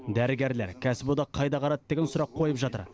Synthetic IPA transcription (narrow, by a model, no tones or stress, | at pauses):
d̪æɾɪɡʲe̞ɾleɾkʲʰæsɪbod̪ɑqʰɑjd̪ɑqʰɑɾɑt̪d̪e̞ɡʲensʊɾɑqʰːo̞jəpʒɑt̪ə̰ɾ